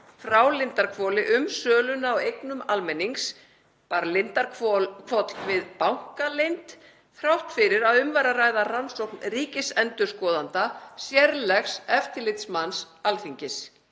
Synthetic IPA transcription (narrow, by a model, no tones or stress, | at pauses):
fɾaːwlɪnt̪aɾkʰvɔːlɪʔʏmsœːlʏnaːwejknʏmalmɛnːiŋks | paɾlɪnt̪aɾɔkʰvɔt̪l̥vɪðpawŋ̥kalejnt̪ | fɾawht̪fɪɾɪɾaðʏmvaɾaraːjðaransowknriːcɪsɛnt̪ʏ̥skɔːðant̪asjɛɾlɛxsɛft̪ɪlɪt̪smans | alθiɲcɪs